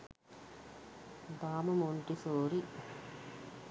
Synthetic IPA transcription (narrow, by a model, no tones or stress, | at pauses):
d̪aːmɐmoɳʈisoːɾi